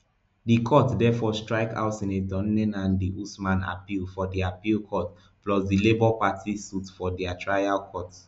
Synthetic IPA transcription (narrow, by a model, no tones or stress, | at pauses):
dikʰɔtdɛfɔstɹaɪka̰ʊtĩnedɔ̃nnɛ̃nãndiʔusmãna̰pilfɔdiapilkʰɔt | plɔsdilebɔpatʰisutfɔdɛatʰɹajalkʰɔt